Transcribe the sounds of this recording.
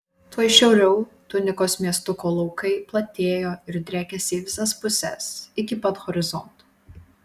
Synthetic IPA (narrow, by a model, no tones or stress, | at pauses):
t̪uɔjʃʲɛʊɾʲɛʊt̪ʊnʲɪkoːsmʲiɛst̪ʊkoːlˠɔʊkɐɪplˠɐt̪ʲeːjoːɪɾd̪ʲɾʲæːkʲɛsʲɪːʋʲɪsɐspʊsʲɛ̰sɪkʲɪpɐt̪ɣɔɾʲɪzɔnt̪ː